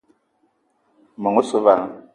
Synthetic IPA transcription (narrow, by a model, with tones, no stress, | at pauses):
mɔ˨ŋo˦so˨va˨ŋ˨